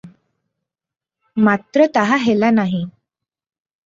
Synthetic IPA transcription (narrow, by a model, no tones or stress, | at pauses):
mat̪ɾət̪aɦaɦelanaɦi